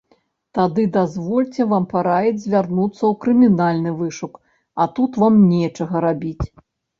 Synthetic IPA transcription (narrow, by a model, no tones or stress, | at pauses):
t̪ad̪ɨd̪azvɔlʲt͡sʲɛvampaɾajɛd͡zʲzʲvʲarnut̪sːɐwkɾɨmʲinalʲnɨvɨʂuk | ɐt̪ut̪vamnʲɛt͡ʂɐɣɐɾabʲit͡sʲ